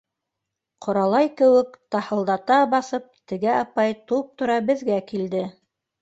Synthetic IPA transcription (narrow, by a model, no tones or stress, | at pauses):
qʰŏɾɑlˠɑjkɘ̆wɘkt̪ɑhɤ̆lˠd̪ɑt̪ɑbɑsɤp̚t̪ɘ̆ɡæɑpɑjt̪up̚t̪ŏɾɑbɘ̆ðɡækild̪ɘ